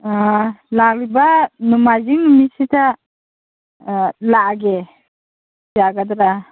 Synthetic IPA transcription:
alalibanumad͡ʒiŋmisita | laʔɡɛ | saɡad̪ɾa

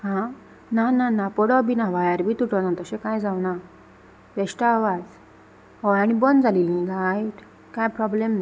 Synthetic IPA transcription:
ɦã | nananapɔɽɔbinãʋajaɾbʱiːt̪uʈəwnat̪əsẽkajd͡zawna | ʋɛɕʈaːʋad͡z | ɦɔaɽ̃ibɔnd͡zalilĩɡajʈ | kajpɾɔblemna

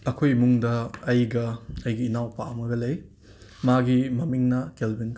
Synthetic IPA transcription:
ɐkʰojmuŋdɐːjɡɐɐjɡiːnawpaɐmɐɡɐlɐj | maɡimɐmiŋnɐkelbinkʰ

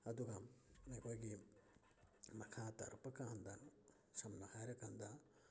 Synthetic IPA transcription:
ɐd̪uɡamekojɡi | mɐkʰat̪ɐ̰ɾpɐkand̪a | sɐmnɐhajɾɐkand̪a

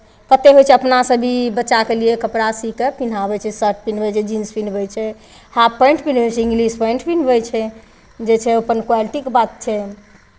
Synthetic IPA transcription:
kət̪eɦojt͡ʃʰɛəpnasəbʱibətːʃakeliekəpɾasikepin̤abɛt͡ʃʰɛsəɾʈ̚pinbɛt͡ʃʰɛd͡ʒinspinbɛt͡ʃʰɛ | hapːə̃ɳʈpinbɛt͡ʃʰɛĩŋɡlispəɳʈʰpinbɛjt͡ʃʰɛ | d͡ʒet͡ʃʰɛopənkwaliʈikbat̪̚t͡ʃʰɛ

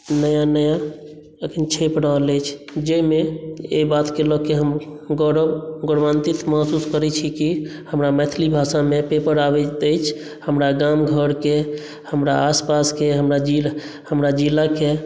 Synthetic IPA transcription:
nəjanəja | ekʰint͡ʃʰepɾəɦlɛjt͡ʃʰd͡ʒemeḛbat̪kelɔkeɦəmɡəɾəbɡəɽʋant̪it̪məsuskəɾɛt͡ʃʰikihəmɾamɛt̪ʰlibʱasamepepəɾabɛt̪əjt͡ʃʰ | həmɾaɡamɡʱəɾke | həmɾa̰ːspaskeɦəmɾad͡ʒil | həmɾad͡ʒilake

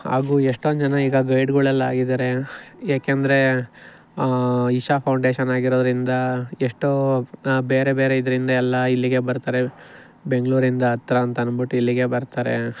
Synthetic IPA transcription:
ɦa̰ːɡuːeʂʈond͡ʒɐnɐiːɡɐɡɐjɖɡuɭɐlːaːɡid̪ɐɾe̞jaːkend̪ɐɾe̞ | iʃapʰɐwɳɖe̞ːʃɐnaːɡiɾoːd̪ɐɾind̪ɐeʂʈobe̞ːɾe̞beːɾe̞id̪ɐɾind̪ɐɛlːɐilːiɡe̞bɐɾt̪aːɾe̞ | be̞ŋɡɭuːɾind̪ɐːt̪ɾɐːnt̪ɐɐnbuʈːuilːiɡe̞bɐɾt̪aːɾḛ

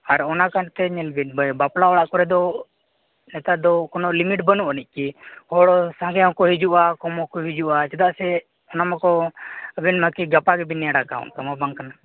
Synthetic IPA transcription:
aɾɔnakant̪ɛɲɛlbitbəbaplaɔɽaʔkɔɾɛd̪ɔ | nɛt̪aʔd̪ɔkɔnɔʔlimiʈbənuʔənic̚ˀkihɔɽɔsãŋɡɛjakɔhid͡ʒuʔakɔmɔkɔɦid͡ʒuʔat͡ʃɛd̪aʔsɛ | ɔnamakɔəbɛnmakiɡapaɡɛbinɛjaɽaka̰ɔ̰nt̪amabaŋkana

